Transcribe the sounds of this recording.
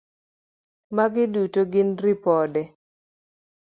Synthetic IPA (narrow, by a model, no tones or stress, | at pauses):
maɡɪdutoɡɪnrɪpɔdɛ